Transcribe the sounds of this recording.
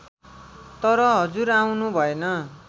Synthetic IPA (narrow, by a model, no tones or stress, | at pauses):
t̪ʌɾʌɦʌd͡zuɾaw̃nubʱʌenʌ